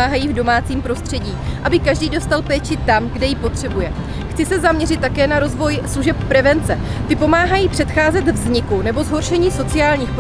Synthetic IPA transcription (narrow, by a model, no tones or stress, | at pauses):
aːɦajiːvdo̞maːt͡siːmpɾo̞st̪r̥ɛɟiːʔabɪkaʒdiːdo̞st̪alpɛːt͡ʃɪt̪amɡdɛjɪpo̞t̪r̝̥ɛbujɛ | xt͡sɪsɛzamɲɛrɪt̪ːakɛːnaɾo̞zvo̞jsluʒɛp̚ːɾɛvɛnt͡sɛ | t̪ɪpo̞maːɦajiːpr̝̥ɛt̪xaːzɛt̪vzɲɪkunɛbo̞zɦo̞ɾʃɛɲiːso̞t͡sɪaːlɲiːxp